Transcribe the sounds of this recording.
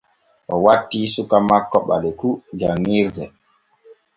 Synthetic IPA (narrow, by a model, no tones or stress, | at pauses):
ʔɔwatːiːsukamakːɔɓalɛkud͡ʒaŋːiɾdɛ